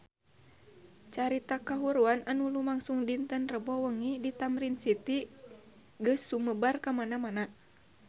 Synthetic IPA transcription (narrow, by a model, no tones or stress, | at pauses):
t͡ʃaɾit̪akaɦuɾuananulumaŋsuŋdint̪ənrəbɔwəŋidit̪amɾinsit̪i | ɡəsːuməbarkamanamana